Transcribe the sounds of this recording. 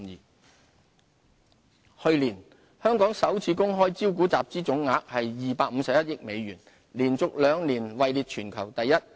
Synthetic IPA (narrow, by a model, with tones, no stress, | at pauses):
hɵ˧ɥliː˨˩n | hœː˥ŋkɔː˨˥ŋsɐ˨˥wt͡sʰiː˨˧˥kʊ˥ŋɦɔː˥jt͡siː˥wk̬uː˨˥t͡saː˨p̚t͡siː˥t͡sʊ˨˥ŋːaː˨˥k̚hɐ˨jːiː˨paː˧k̚m̩˨˧sɐ˨p̚jɐ˥t̚jɪ˥k̚me˨˧jɥyː˨˩n | liː˨˩nt͡sʊ˨k̚lœː˨˧ŋliː˨˩nwɐ˨jliː˨˧t̚t͡ʃʰyː˨˩nkʰɐ˨˩wt̪ɐ˨jːɐ˥t̚